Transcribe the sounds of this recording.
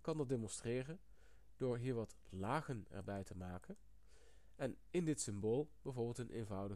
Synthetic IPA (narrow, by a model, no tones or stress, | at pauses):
kɑndɑt̚deːmɔnstreːrən | d̥oːɹɦiːɹʋɑt | laːɣənɛ̰ɹbɛjtəmaːkən | ɛn | ɪndɪtsɪmboːlˠb̥ɛjvoːɹbɪːlˠtənʔḛnvʌwdə